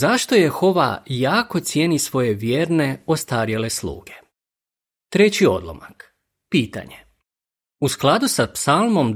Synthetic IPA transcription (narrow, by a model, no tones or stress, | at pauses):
zaʃt̪o̞je̞xo̞ʋa̰jaːko̞t̪sjenisʋo̞je̞ʋjeːɾne̞o̞st̪aːɾjele̞slˠṵːɡe̞̥ | t̪ɾe̞t͡ɕio̞̰d̪lˠo̰ma̰k | piːt̪a̰ɲe | usklˠad̪usapsalˠmo̞m